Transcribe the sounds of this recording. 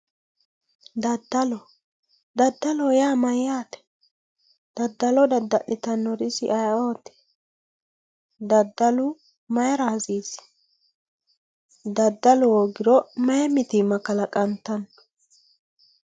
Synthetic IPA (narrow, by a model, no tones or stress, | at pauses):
d̪ɐd̪ːɐlɔ | d̪ɐd̪ːɐlɔjaːmɐjjaːt̪ɛ̥ | d̪̥ɐd̪ːɐlɔd̪ɐd̪ɐʔɪt̪ɐnːɔɾɪsɪ̰ʔɐjoːt̪ɛ̥ | d̪ɐd̪ːɐlʊ | mɐjɐɾaːziːs | d̪ɐd̪ːɐlɔwɔɡɪɾɔmɐjɛmɪt̪ɪmɐkɐlɐkʼɐnt̪ːɐn